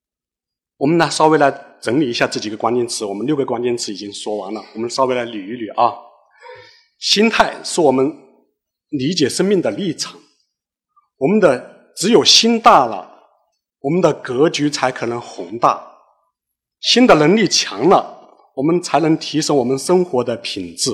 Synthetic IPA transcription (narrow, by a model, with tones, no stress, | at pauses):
wɔ˨˩mə˦na˧ʂɑ˥ʊwe˧˥ɪla˧˥ɪʈ͡ʂɤ˧˥ŋli˨˩i˧˥ɕja˥˧t͡s̩˥˩t͡ɕi˨˩ɡə˧˦kwa˥nt͡ɕjɛ˥nʈ͡ʂʰɻ̩˧˥wɔ˨˩mə˦nljo˥˩ʊɡə˩kwa˥nt͡ɕjɛ˥˧nʈ͡ʂʰɻ̩˧˥i˨˩t͡ɕi˥ŋʂwɔ˥wɑ˧˥ŋlə˨wɔ˨˩mə˦nʂɑ˥ʊwe˧˥ɪla˧˥ɪly˨˩y˧˥ly˨˩ʔɑ˥˩ | ɕi˥nt̪ʰa˥˩ɪʂɻ̩˥˩wɔ˨˩mə˦n | li˧˥t͡ɕjɛ˨˩ʂə˥nmi˥˩ŋd̪ə˩li˥˩ʈ͡ʂʰɑ̥˨˩˦ŋ | wɔ˨˩mə˦nd̪ə˨ | ʈ͡ʂɻ̩˧˥jo˨˩ʊɕi˥nt̪a˥˩lə̰˩ | wɔ˨˩mə˦nd̪ə˨kɤ˧˥t͡ɕy˧˥t͡sʰa˧˥ɪkʰɤ˨˩nɤ˧˥ŋxʊ˧˥ŋt̪a˥˩ | ɕi˥nd̪ə˨lə˧˥ŋli˥˩t͡ɕʰjɑ̰˧˥ŋlə˧ | wɔ˨˩mə˦nt͡sʰa˧˥ɪnɤ˧˥ŋt̪ʰi˧˥ʂə˥ŋwɔ˨˩mə˦nʂə˥ŋxwɔ˧˥d̪ə˧pʰi˨˩ŋʈ͡ʂɻ̩˥˩